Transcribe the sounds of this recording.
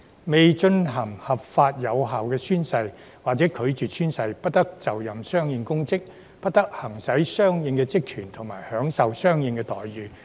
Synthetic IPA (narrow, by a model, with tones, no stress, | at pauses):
me˨jt͡ʃɵ˧nɦɐ˨˩ŋhɐ˨p̚faː˧t̚jɐ˨˧wɦaː˨wkɛː˧syː˥nsɐ˧j | waː˨k̚t͡sɛː˨˥kʰɵ˨˧ɥt͡ʃyː˨˩sʰyː˥nsɐ˧jpɐ˥t̚t̪ɐ˥k̚t͡sɐ˨wjɐ˨˩msœː˥ŋjɪ˧ŋkʊ˥ŋt͡sɪ˥k̚ | pɐ˥t̚t̪ɐ˥k̚hɐ˨˩ŋsɐ˨˥jsœː˥ŋjɪ˨˧ŋkɛ˧t͡sɪ˥k̚kʰyː˨˩nt̪ʰʊ˨˩ŋmaː˨˩jhœː˨˥ŋsɐ˨wsœː˥ŋjɪ˨˧ŋkɛ˧t̪ɔː˨˩jɥyː˨˩